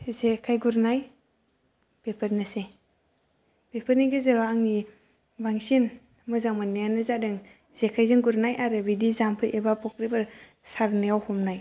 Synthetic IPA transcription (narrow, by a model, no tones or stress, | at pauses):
zekʰajɡuɾnaj | pepʰəɾnɯse | pepʰəɾniɡɯzeɾaaŋni | baŋsin | mɯzaŋmanijanɯzadɯŋ | z̥ekʰajzɯŋɡuɾnajʔaɾɯbidizampʰɯʔebapʰɔk̚ɾibɯɾ | saɾnajawhɔmnaj